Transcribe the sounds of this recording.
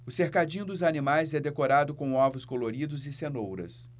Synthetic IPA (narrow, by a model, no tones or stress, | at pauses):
ʊseɾkad͡ʒĩɲʊd̪ʊzanĩmajzɛd̪ekoɾad̪ʊkõw̃ɔvʊskoloɾid̪ʊzɪsenowɾɐ̰s